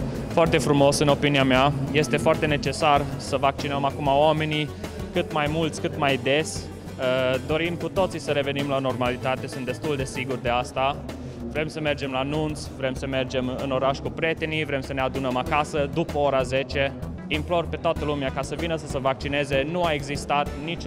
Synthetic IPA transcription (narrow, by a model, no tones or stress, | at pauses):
foart̪e̞fɾumo̞sɨno̞piniameaje̞st̪e̞foart̪e̞net͡ʃe̞sarsəvak̚t͡ʃinəmakumaowame̞nikɨt̪majmult̪sʲkɨt̪majd̪e̞sʲ | əd̪o̞ɾimkut̪o̞t̪sisəɾe̞ve̞nimlano̞rmalit̪at̪e̞sunt̪e̞st̪uld̪e̞siɡurd̪e̞ast̪a | vɾe̞msəme̞rd͡ʒe̞mlanunt̪svɾe̞msəme̞rd͡ʒe̞mɨno̞ɾaʃkupɾʲje̞t̪e̞nivɾe̞msənead̪unəmakasəd̪upəoɾaze̞t͡ʃe̞ | implo̞rpe̞t̪oat̪əlumeakasəvinəsəsevak̚t͡ʃine̞ze̞nuae̞ɡzist̪at̪nit͡ʃ